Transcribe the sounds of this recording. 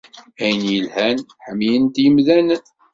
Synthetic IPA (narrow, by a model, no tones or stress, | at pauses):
æjənjəlhænħəmːijənt̪jəmðæn